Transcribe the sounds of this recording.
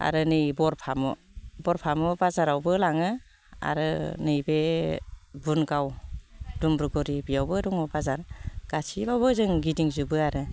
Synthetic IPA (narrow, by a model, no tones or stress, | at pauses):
a̰ɾɯnɯjbɔɾpʰamɔ̰bɔɾpʰamɔbazaɾawbɯlaŋɯ | a̰ɾɯnɯjbe | bunɡawdumbɾuɡɔɾibijawbɯɾɔŋɯbazaɾɡ̥asibawbɯzɯŋɡidiŋzubɯaɾɯ